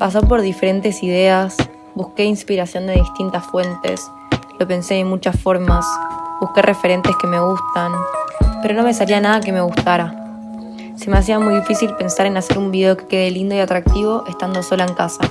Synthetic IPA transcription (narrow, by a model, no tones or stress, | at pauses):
pas̬opo̞ɾðife̞ɾe̞nt̪e̞siðe̞as | buske̞inspiɾasjo̞nd̪e̞ðist̪int̪asfwe̞nt̪e̞̰s | lo̞pe̞nse̞emut͡ʃasfo̞ɾmasbuhke̞rʔe̞fe̞ɾe̞nt̪e̞ske̞me̞ɣ̞ust̪anpe̞ɾono̞mes̬alianað̞ake̞me̞ɣ̞ust̪aɾa | semeas̬iamujðifisilpe̞nsaɾe̞nase̞ɾumbiðe̞o̞ke̞̥ke̞ðe̞lind̪o̞iat̪ɾak̚t̪iβo̞ʔe̞st̪and̪o̞so̞laeŋkasa